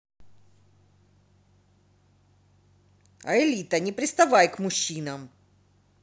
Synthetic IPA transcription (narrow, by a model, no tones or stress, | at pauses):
ɐ̰ɪlʲit̪ənʲɪpɾʲɪst̪ɐvajkmʊɕːinɐm